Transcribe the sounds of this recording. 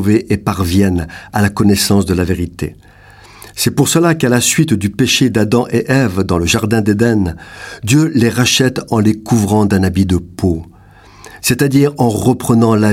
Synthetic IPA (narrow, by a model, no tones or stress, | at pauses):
veʔepaʁvjɛnalakɔnɛsɑ̃sd̪əlaveʁit̪ḛ | sɛpuʁsəlakalasɥit̪d̪ypeʃed̪ad̪ɑ̃ʔeʔɛvd̪ɑ̃ləʒaʁd̪ɛ̃d̪ed̪ɛnd̪jøleʁaʃɛt̪ɑ̃lekuvʁɑ̃d̪ɛ̃nabid̪əpo | sɛt̪ad̪iʁɑ̃ʁəpχənɑ̃la